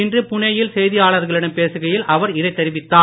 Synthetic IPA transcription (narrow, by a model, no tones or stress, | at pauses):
ɪndrɯpʊɳɐjɪlsɛjðɪjaːɭɐɾɣɐɭɪɽɐmpeːsɯɣɐjɪlʔɐʋɐɾɪðɐɪt̪ːɐɾɪʋɪt̪ːaː